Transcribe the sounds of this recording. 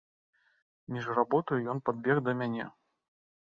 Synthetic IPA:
mʲiʐrabɔt̪ɐjujɔnpad̪̚bʲɛɣd̪ɐmʲanʲɛ̰

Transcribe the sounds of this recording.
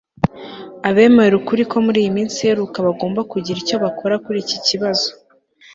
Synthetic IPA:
aβe̞ːmeɾeɾukuɾiko̞muɾiːjimiːnsieɾukaβaɡo̞ːmbakuɟiɾico̞βakʰo̞ɾakuɾiːciciβazo̞

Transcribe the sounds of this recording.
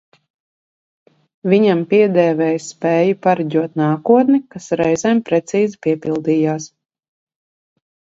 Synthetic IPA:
vʲiɲampiɛd̪ɛːvɛːjspɛːjupaɾaɟʲuɔt̪naːkuɔt̪nikasɾɛjzɛːmpɾɛt̪siːzipiɛpilˠd̪iːjaːs

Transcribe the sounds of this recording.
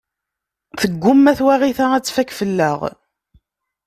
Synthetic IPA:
θəɡʷːʊmːæθwæʁiθææt͡sːfækfəlːə̰ʁ

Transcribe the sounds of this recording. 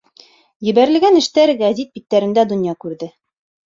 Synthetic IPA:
jɘ̆bæɾɘ̆lɡænɘ̆ʃt̪æɾɡæzit̪̚bit̪ːæɾɘ̆nd̪æd̪ŏnjɑkʉɾðɘ

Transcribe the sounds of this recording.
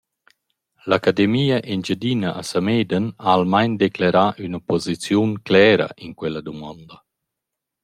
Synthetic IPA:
lakad̪emiːaʔind͡ʒad̪inaʔasameːd̪ənalmajnd̪eklaɾaʔynapɔzit͡sjunklɛːɾa̰ʔinkwɛlːad̪umɔnd̪ɐ

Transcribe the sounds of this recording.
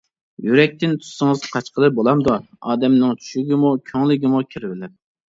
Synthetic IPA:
jyɾɛk̚ʲt̪ɪnt̪ʰu̥sːəŋəzqʰɑt͡ʃqəlˠɨbolˠɑmd̪u | ɑːd̪ɛmnɪŋt͡ʃʰy̥ʃyɡʲimukʲʰøŋlˠɪɡʲimukʲʰiɾvɪlɪp̚

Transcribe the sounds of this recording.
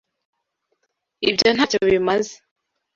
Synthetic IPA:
ibjon̥hacoβimaze̥

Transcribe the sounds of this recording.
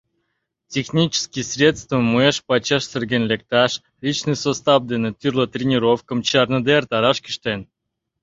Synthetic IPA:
tʲexnʲit͡ɕə̥skʲisʲrʲet̪t͡st̪vəmueʃpɑt͡ɕɑʃsʲerɡʲenʲlʲek̚t̪ɑʃ | lʲit͡ɕnɨjsost̪ɑpd̪enet̪yrlət̪rʲenʲiɾofkə̆mt͡ɕɑrnəd̪ert̪ɑɾɑʃkʲi̥ʃt̪en

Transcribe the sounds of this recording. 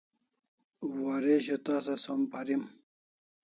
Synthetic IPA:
waɾeɕɐt̪aːsɐsɐmpɐɾim

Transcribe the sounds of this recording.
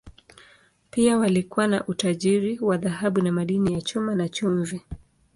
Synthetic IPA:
piawalikuwanaʔutaʄiɾiwaðahaɓunamaɗinijat͡ʃumanat͡ʃuɱvi

